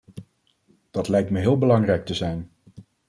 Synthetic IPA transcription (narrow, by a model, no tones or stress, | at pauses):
d̥ɑtlɛjk̚tməɦɪːlˠbəlɑŋrɛjk̚təzɛjn